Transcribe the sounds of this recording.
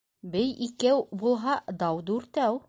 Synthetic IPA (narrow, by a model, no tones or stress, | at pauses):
bɘjikæwbulˠɦɑd̪ɑwd̪ʉʉɾt̪æw